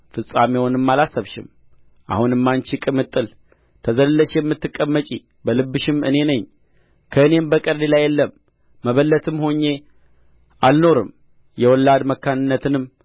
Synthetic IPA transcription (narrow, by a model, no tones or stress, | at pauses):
fɨsʼamewɔnɨmːalasːəβʃɪ̰m | ʔa̰hunɨmːant͡ʃikʼɨmɨt̪ʼːɨl | t̪ʰəzəllːəʃjɛmːɨt̪ːɨkʼːəmːət͡ʃʼi | bəlɨbːɨʃɪmɨ̰ne̞nəɲː | kʰəɨne̞mbəkʼəɾd̪elajːɛlːəmː | əβəlːət̪ʰɨmho̞ɲːe̞ | alno̞ɾɨm | jɛwɔlːad̪məkːanɨnːət̪ʰɨnɨm